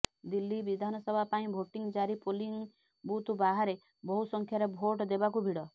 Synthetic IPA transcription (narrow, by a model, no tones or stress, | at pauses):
d̪ilːibid̪ʱanɔsɔbʱapaĩbʱoʈiŋd͡ʒaɾipoliŋ | but̪ubaɦaɾe | bɔɦusɔŋkʰjaɾebʱoʈd̪ebak̬ubʱiɽɔ